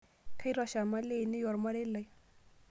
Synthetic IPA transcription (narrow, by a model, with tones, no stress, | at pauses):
kʰa˦jɾɔʃa˨ma˦le˨ni˦jɔ˨ɾma˦ɽe˦lə˨j